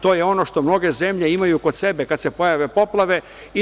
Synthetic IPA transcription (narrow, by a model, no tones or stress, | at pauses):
t̪o̞ːjeo̞no̞ʃt̪o̞mno̞ɡe̞zemʎe̞imajuko̞d̪se̞bekad̪se̞po̞jaʋe̞po̞plˠaʋe̞ | i